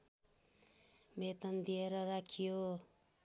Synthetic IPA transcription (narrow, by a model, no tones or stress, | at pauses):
bet̪ʌnd̪ijeɾʌɾakʰijo